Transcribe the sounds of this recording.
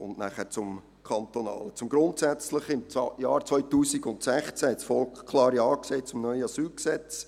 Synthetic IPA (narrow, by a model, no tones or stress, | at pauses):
ʊndnæχəɾt͡sʊm | kʰɑnt̪onɑ̰ːlət͡sʊmɡɾʊntsæt͡sləχɪmt͡sjɑːɾt͡sʋœʏtuːsiɡʊntsɛχt͡sæhɛtsfɔlkχkʰlɑːɾiɑːkseːt͡sʊmnœʏəɑsyːlksɛt͡s